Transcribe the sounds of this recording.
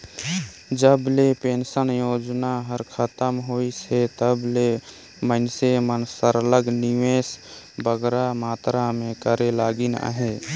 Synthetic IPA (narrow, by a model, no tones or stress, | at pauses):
d͡ʒəblepeːnsənjoːd͡ʒnaɦəɾkʰət̪əmɦoːiset̪əble | mənsemənsəɾələɡniʋeːs | bəɡɾamaːt̪ɾamẽkəɾelaːɡinə̰ɦe